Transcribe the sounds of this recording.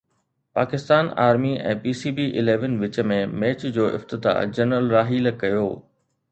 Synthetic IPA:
paːkɪst̪aːna̰ːɾmiɛ̰̃ːpiːsiːbiʔɪleːʋənʋɪt͡ɕəmẽmɛːt͡ɕd͡ʑoːʔɪ̰ft̪ɪt̪a̰ːd͡ʑɐnɾəlɾaːɦiːlkɐjoː

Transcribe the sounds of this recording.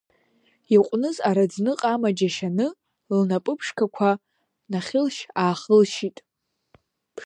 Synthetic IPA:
iqʷʼnɨzaɾad͡znɨqʼamad͡ʒaʃanɨ | lnapʼɨpʰʂkʰakʷʰa | naχʲɪlʃaːχɨlʃitʼ

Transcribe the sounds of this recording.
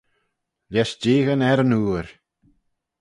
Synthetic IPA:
lʲjɛʃd͡ʒeːɣənɛɾənuːɾ

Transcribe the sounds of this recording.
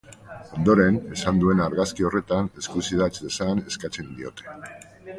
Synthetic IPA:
o̞nd̪o̞ɾe̞ne̞sand̪ue̞naɾɣaskio̞re̞t̪ane̞skusiðat͡sd̪e̞sane̞skat͡se̞nd̪io̞̰t̪e̞̥

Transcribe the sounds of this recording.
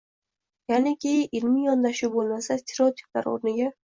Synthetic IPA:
janɪkʲʰejɪʔɪlmɪjɒnd̪aʃubolˠmasast̪ʲʰeɾeot̪ʰi̥p̚la̰ɾo̰ɾnɪɡʲa

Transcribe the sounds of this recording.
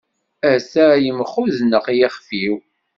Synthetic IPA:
æsæjəmχuðnəʁjɪχfiw

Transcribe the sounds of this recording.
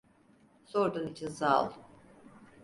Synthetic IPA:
soɾd̪unit͡ʃʰinsalˠ

